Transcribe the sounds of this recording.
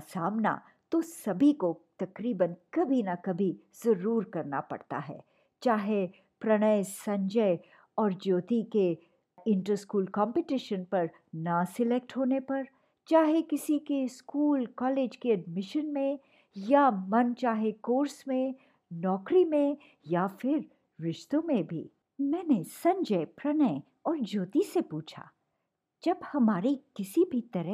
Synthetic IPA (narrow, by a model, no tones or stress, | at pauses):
saːmna̰ | t̪osɐbʱikot̪ɐkɾiːbənkɐbʱinakɐbʱi | z̥ɐɾuːɾkɐɾna̰pɐ̰ɽt̪a̰ɦɛ̰ː | t͡ʃaːɦe | pɾɐɽ̃əjsɐ̃ɲd͡ʒəj | ɔːɾd͡ʒoːt̪ike | ɪ̃ɳʈəɾskuːlkɔ̃ːmpeʈɪʃənpɐɾ | nasɪlek̚ʈɦoːnepɐɾ | t͡ʃaːɦekɪsikeskuːlkɔːleːd͡ʒkeɐɖmɪʃənmẽ | jamɐnt͡ʃaːɦekoːɾsmẽ | nɔːkɾimẽ | jafɪɾ | ʋɪʃt̪õmẽbʱḭː | mɛ̃ːnesɐ̃ɲd͡ʒəɪpɾɐnə | ɔːɾd͡ʒoːt̪isepuːt͡ʃʰa̰ː | d͡ʒɐbhɐmaːɾikɪsibʱit̪ɐɾə